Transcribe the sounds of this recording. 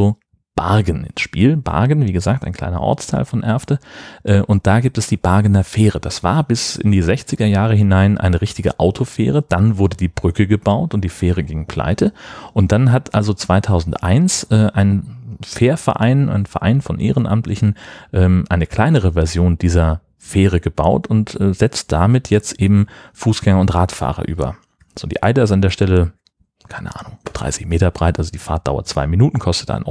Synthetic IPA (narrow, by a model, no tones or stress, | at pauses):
o | b̥a̰ɐɡən̩ɪ̰nsʃpiːlb̥a̰ɐɡnviːɡəzaːk̚taɪnkl̥a̰ɪnɐ̰ʔɔ̰ɐt͡stʰa̰ɪlfɔnʔɛɐftəʔɛːʔʊnt̚d̥aːɡiːp̚tɛsd̥iːb̥aɐɡənɐfeːʁəd̥asv̥a̰ːɐbɪsɪ̰ndiːzɛçt͡sɪɡɐjaːʁ̞əɦɪnaɪnʔa̰ɪnəʁɪçtɪɡə̰ʔaʊtʰofḛːʁ̞əd̥anvʊɐdədiːb̥ʁʏkəɡəbaʊtʊnt̚d̥iːfeːʁ̞əɡɪŋpl̥a̰ɪtʰəʔʊnt̚d̥anɦatʰʔalzot͡sv̥aɪtʰaʊzn̩tʔa̰ɪnsʔɛːʔaɪnfeːɐfɛɐʔaɪnʔa̰ɪnfɛɐʔa̰ɪnfɔnʔḛːʁənʔa̰mtlɪçn̩ʔɛːmʔaɪnəkʰl̥aɪnəʁ̞əvɛɐzjoːnd̥iːzɐ | feːʁ̞əɡəba̰ʊtʊntʔɛːz̥ɛt͡st̚d̥amɪtʰjɛt͡stʔeːbm̩fuːsɡ̥ɛŋɐʊntʁaːtfa̰ːʁ̞ɐ̰ʔy̰ːbɐ̰ | z̥o̰ːdiːʔa̰ɪdaɪstandeːɐʃtɛlə | kʰaɪnəʔa̰ːnʊŋd̥ʁa̰ɪsɪçmeːtɐbʁaɪtʔalzodiːfaɐt̚d̥a̰ʊɐ̰t̚t͡sv̥a̰ɪminuːtn̩kʰɔstə̥tʔa̰ɪn̰